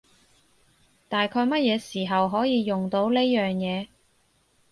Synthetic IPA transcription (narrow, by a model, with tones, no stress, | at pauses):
t̪aː˨jkʰɔː˧jmɐ˥t̚jɛː˨˧siː˨˩ɦɐ˨wɦɔː˨˥jiː˨˧jʊ˨ŋt̪o˨˥wle˥jœː˨˩ŋjɛː˨˧